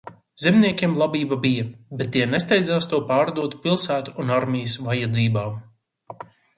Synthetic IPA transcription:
z̥emniɛkʲimlˠabiːbabijɐbɛt̪ːiɛnɛst̪ɛjd̪zaːst̪uɔpaːɾd̪uɔt̪u̥pilˠsæːt̪uunaɾmʲijəsvajad̪ziːbaː

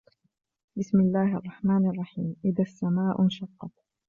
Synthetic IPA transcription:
bɪsmɪlːaːhʔɑ̰rˤːɑħmaːnʔɑrˤːɑħiːmʔɪðasːamaːʔʊnʃɑqːɑt̪̚

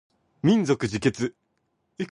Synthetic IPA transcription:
mʲĩnd͡zokɯ̟ʑike̞t͡sɨ | i

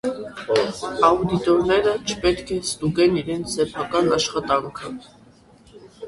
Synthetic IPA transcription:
ɑud̪it̪ɔɾnɛɾət͡ʃʰə̥pɛt̪kʰɛst̪uɡɛniɾɛnt͡sʰsɛpʰɑkɑnɑʃχɑt̪ɑŋkʰə

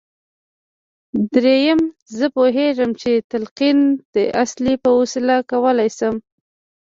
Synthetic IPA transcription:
d̪ɾejəmzəpoɦeʒəmt͡ʃet̪alqind̪̥əʔaslipəwosɪlakawəlajsəm

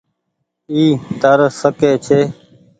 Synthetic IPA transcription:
iːt̪əɾsəkeːt͡ʃʰeː

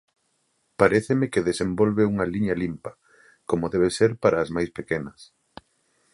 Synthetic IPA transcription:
paɾeθemekeðesembolβeuŋɐliɲɐlimpɐ | komoðɛβ̞eseɾpaɾaːzmajspekenɐs

